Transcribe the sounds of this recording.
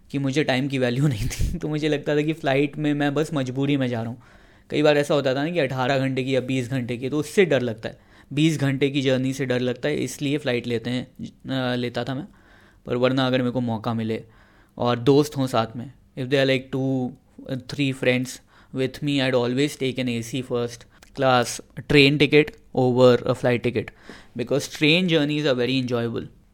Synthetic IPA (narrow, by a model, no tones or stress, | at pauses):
kimʊd͡ʒʱeʈaːɪmk̬iʋɛːljunɐɦĩt̪ʰi̥t̪omʊd͡ʒʱelɐɡ̚t̪at̪ʰakiflaːɪʈmẽmɛ̃bɐsmɐd͡ʒbuːɾimẽd͡ʒaːɾaɦũ | kɐ̰ibaːɾɛːsaɦoːt̪at̪ʰanãkiɐʈʰaːɾaɡʱɐ̃ɳʈekijabiːsɡʱɐ̃ɳʈekit̪oʊsːeɖɐɾlɐɡ̚t̪a̰ɦɛː | biːsɡʱɐ̃ɳʈek̬id͡ʒəːɾniseɖɐɾlɐɡ̚t̪aɦɛ̰ʔɪ̰slieflaɪʈleːt̪eɦɛ̃ | leːt̪at̪ʰamɛ̃ː | pɐ̰ɾʋɐɾnaːɡəɾmẽːkomɔːkamɪle | ɔːɾd̪oːst̪ɦõsaːt̪ʰmẽ | ɪfd̪eːaɾlaɪk̚ʈuː | t̪ʰɾiːfɾɛ̃ɳɖs | ʋɪd̪ʰmiaɪɖɔːlʋeːzʈeːkə̃neːsifəɾsʈklaːsʈɾẽːnʈɪkɪʈ | oːʋəɾə̰flaɪʈːɪkɪʈbɪkɔːzʈɾẽːnd͡ʒəːɾnizaːɾʋɛɾiɛ̃nd͡ʒɔːɪəbə̰l